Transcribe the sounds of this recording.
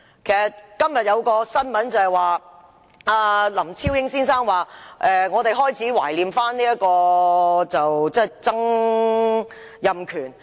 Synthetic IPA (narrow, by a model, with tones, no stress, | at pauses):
kʰe˨˩sɐ˨t̚kɐ˥mjɐ˨t̚jɐ˨˧wkɔː˧sɐ˥nmɐ˨˥nt͡sɐ˨hɐ˨˩jwaː˨˩ | aː˨˧lɐ˨˩mt͡sʰiː˥wjɪ˥ŋsiː˥nsaː˥ŋwaː˨˩ʔɛː˨ŋɔː˨˧t̪e˨jɦɔː˥jt͡sʰiː˨˥wa̰ː˨˩jliː˨mfaː˥nliː˥ɐ˥t̚kɔː˧t͡sɐ˨wt͡sɛː˥˩jt͡sɐ˥ŋ | jɐ˨mkʰyː˨˩n